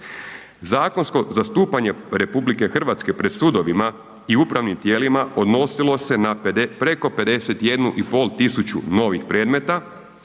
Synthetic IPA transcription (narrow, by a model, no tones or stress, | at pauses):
zaːko̞nsko̞zast̪uːpaɲe̞ɾe̞publike̞xr̩ʋat̪ske̞pɾed̪sud̪o̞ʋima | iupɾaʋnimt̪je̞ːlimao̞d̪no̞silˠo̞se̞naped̪e̞pɾe̞ko̞pe̞d̪e̞se̞t̪je̞d̪nuʔipo̞ːlt̪isut͡ɕṵno̞ʋixpɾe̞ːd̪me̞t̪a